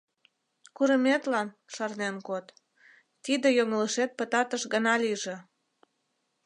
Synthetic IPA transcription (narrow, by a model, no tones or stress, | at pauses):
kuɾəmet̪lɑn | ʃɑrnenkot̪ː | id̪ejoŋələʃet̪̚pət̪ɑt̪əʃɣənɑliʒĕ